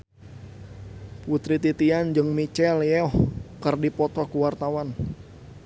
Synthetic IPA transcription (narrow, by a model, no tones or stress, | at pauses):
put̪ɾit̪it̪iand͡ʒɨŋmit͡ʃɛljɛɔhkərdipɔt̪ɔkuwart̪awan